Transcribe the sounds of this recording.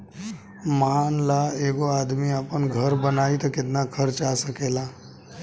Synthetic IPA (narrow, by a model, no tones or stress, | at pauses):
maanlaeːɡoaːd̪miəpənɡʱəɾbənaːit̪ɔkɪt̪nakʰəɾt͡ʃasəkeːlaː